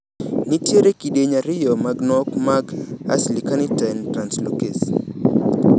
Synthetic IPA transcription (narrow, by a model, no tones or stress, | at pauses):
nitjeɾekiɗeɲaɾɪjɔmaɡnɔkmaɡa̰slikanitantɾanslokes